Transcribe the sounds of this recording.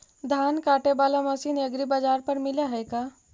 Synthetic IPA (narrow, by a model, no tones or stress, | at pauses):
d̪ʱankaʈebalaməsineɡɾibad͡ʒaɾpəɾmilaɦəjka